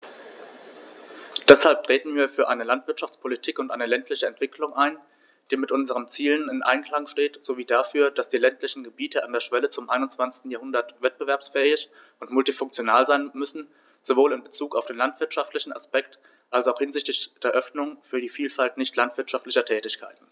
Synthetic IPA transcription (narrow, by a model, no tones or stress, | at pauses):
d̥ɛshalp̚tʁ̥eːtn̩viːɐfyːɐʔaɪnəlantv̥ɪɐtʃaft͡spʰolitʰiːkʊntʔaɪnəlɛntʰlɪçəɛntv̥ɪkʰlʊŋʔaɪn | d̥iːmɪtʔʊnzəʁənt͡siːlənɪnʔa̰ɪnkl̥aŋʃteːtz̥oviːdafyːɐd̥asd̥iːlɛntlɪçn̩ɡəbiːtʰəʔandeːɐʃv̥ɛlət͡sʊmʔaɪnʊnt͡sv̥ant͡sɪ̥stn̩jaːhʊndɐtvɛt̚b̥əvɛɐpsfɛːɪç | ʊntmʊltifʊŋkt͡sjonaːlzaɪnmʏsn̩ | z̥ovoːlɪnbət͡suːka̰ʊfd̥eːnlantv̥ɪɐtʃaftlɪçn̩a̰spɛk̚t | ʔalsaʊxhɪnzɪçtɪçd̥eːɐʔœfnʊŋfyːɐdiːfiːlfaltnɪçtʰlantv̥ɪɐtʃaftlɪçɐtʰɛːtɪçkʰa̰ɪtn̩